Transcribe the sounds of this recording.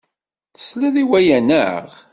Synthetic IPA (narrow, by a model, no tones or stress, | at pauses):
θə̥slæðiwæjænə̰ʁ